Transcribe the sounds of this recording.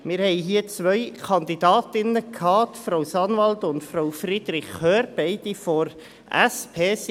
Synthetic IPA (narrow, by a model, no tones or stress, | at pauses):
mɪɾhɛɪɦiːət͡sʋœʏkʰɑndidɑːtɪnəkʰhɑːtfɾaʊsɑnʋɑltʊntfrawfrid̥̪ɾɪçœːɾb̥ɛɪd̥ifɔɾ | ɛspʰeːs